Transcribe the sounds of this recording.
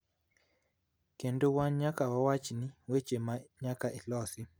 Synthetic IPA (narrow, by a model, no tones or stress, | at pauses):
kendowaɲakawawat͡ʃiniwet͡ʃemaɲakaʔilɔsi